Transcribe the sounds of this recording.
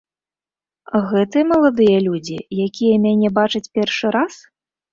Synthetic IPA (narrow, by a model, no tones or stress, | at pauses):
ɣɛt̪ɨɐmɐlˠad̪ɨjɐlʲud͡zʲijakʲijɐmʲanʲɛbat͡ʂɐt͡sʲpʲɛrʂɨɾas